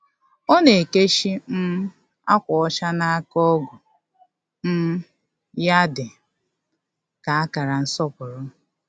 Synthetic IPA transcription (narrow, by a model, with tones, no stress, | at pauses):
ɔ˦ne˨ke˦ʃi˦n̩˦ | a̰˦kʷɔ˨ɔ˦ʃa˦na˦a˦kɔ˦ɡʊ˨ | n̩˦ | ja˦dɪ˨ | ka˨a˦ka˨ɾa˨n̩˦sɔ˦pʊ˨ɾʊ˦